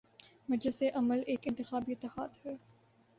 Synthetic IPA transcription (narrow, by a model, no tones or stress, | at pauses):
mɐd͡ʒlɪseʔɐməleːkɪ̃nt̪ɪxaːbiɪt̪ːɪhaːd̪hɛː